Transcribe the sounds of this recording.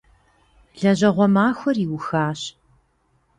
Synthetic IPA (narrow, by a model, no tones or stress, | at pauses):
ɮɐʑɐʁʷɔmaːxʷɔriːwʊxaːɕ